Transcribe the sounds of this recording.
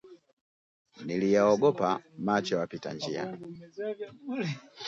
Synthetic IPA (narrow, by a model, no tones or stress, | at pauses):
nilijaɔɡɔpamat͡ʃɔwapita̰ɲd͡ʒia̰